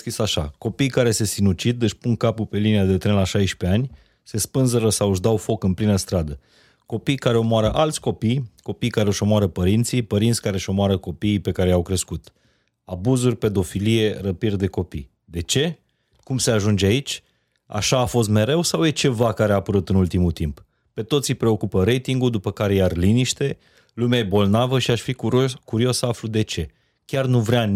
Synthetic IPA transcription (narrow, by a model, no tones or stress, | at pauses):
kɾisaʃa̰ko̞pijkaɾe̞se̞sinut͡ʃid̪ɨʃpuŋkapupe̞liniad̪et̪ɾenlaʃajʃpe̞anʲ | se̞spɨnzəɾəsawɨʒd̪awfo̞kɨnplinəst̪ɾad̪ə | ko̞pijkaɾe̞o̞moaɾəʔalt̪sʲko̞pijko̞pijkaɾeo̞ʃo̞moaɾəpəɾint̪sijpəɾint̪sʲkaɾeʃo̞moaɾəko̞piːpe̞kaɾe̞jawkɾe̞skut̪ | abuzurʲpe̞d̪o̞filije̞rəpird̪e̞ko̞pij | d̪e̞t͡ʃe̞ | kumse̞aʒund͡ʒeait͡ʃʲ | a̰ʃaːfo̞s̬t̪me̞ɾe̞wsawje̞t͡ʃe̞vakaɾeaːpəɾut̪ɨnult̪imult̪imp | pe̞t̪o̞t̪sijpɾe̞o̞kupəɾe̞jt̪iŋɡuld̪upəkaɾe̞jarliniʃt̪e̞ | lumeajebo̞lnavəʃiaʃfikuɾio̞səaflud̪e̞t͡ʃe̞ | kʲarnuvɾea